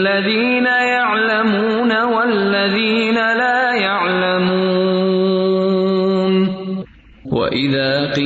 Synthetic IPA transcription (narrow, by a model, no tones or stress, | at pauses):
aðiːnajaʕlamuːnawalːaðiːnalaːjaʕlamu | n | wa̰ʔɪðaːqiː